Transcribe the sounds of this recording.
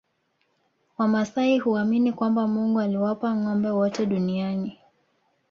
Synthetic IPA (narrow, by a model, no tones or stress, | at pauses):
wamasaihuaminikwambamuŋɡualiwapam̩ŋɔmbɛwɔtɛɗuniani